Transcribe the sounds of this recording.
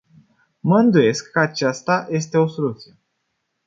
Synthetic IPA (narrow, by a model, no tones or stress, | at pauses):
məɨnd̪uje̞skːəat͡ʃast̪aje̞st̪e̞o̞so̞lut̪sije̞